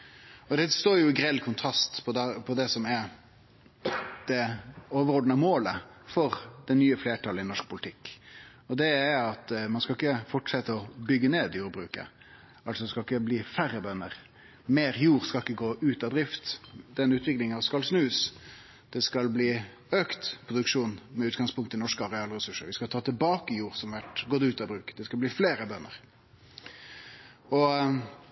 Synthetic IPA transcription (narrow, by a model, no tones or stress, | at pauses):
ɔd̪ɛst̪oːɾjʊɪɡɾɛlːkʰʊnt̪ʰʁɑst̪pʰɔd̪pʰɔd̪ɛsɔmɛɾ | d̪̥ɛoːʋəʁɔɖ̪nəmoːləfɔɾd̪̥ɛnnːyːəfleːʈʰɑlɪnɔʂk̚pʰʊlɪt̪ʰɪkː | ɔd̪ɛæɑt̪mɑnskɑɪkːəfɔʈʂɛt̪ːəɔbʏɡːəneːd̪juːɾbʁʉ̰ːkə̰ | ɑlsɔd̪ɛskɑɪkːəbliːfæɾːəbœnːə̰ʁ | meːɾjuːɾskɑlɪkːəɡoːʔʉːt̪ɑd̪ɾɪft̪d̪ɛnʉːt̪ʰʋɪklɪŋɑʋskɑlsnʉːs | d̪̥ɛskɑlbliː | øːkt̪pʰɾʊd̪ʉkʂuːnmɛʉːt̪ɡɑŋspʰʊŋkt̪əɪnɔʂkəɑɾɛɑːləɾɛsʉʂəɾʋɪskɑt̪ʰɑːt̪ʰɪlbɑːkəjuːɾsɔmʋæʈɡɔd̪ʉːt̪ɑbɾʉːkd̪ɛskɑlbliːfleːɾəbœnːə̰ɾ | ɔ